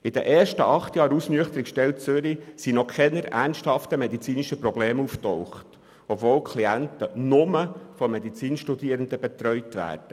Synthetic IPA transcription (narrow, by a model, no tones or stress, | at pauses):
ɪd̥̪əʔeːɾʃtəʔɑχt̪jɑːɾusnyəχt̪əɾikʃtɛlt͡sʏɾisinɔkʰɛnəɾæ̰rnsthɑft̪əmɛd̪it͡siːniʃəprɔbleːmuftɔwχt | ɔpvoːlkʰliæntənʊməfɔmːɛd̪it͡siːnʃtud̪iːəɾənd̪əbet̪ɾœʏt̪ʋæ̰ːd̥ə